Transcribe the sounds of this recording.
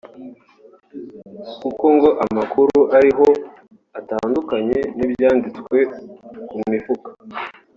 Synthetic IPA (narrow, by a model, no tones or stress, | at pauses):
kuko̞ŋɡo̞ʔamakuɾuʔaɾiɦo̞ | ataːndukaɲe̞nibjaːndit͡skwwe̞kumifukḁ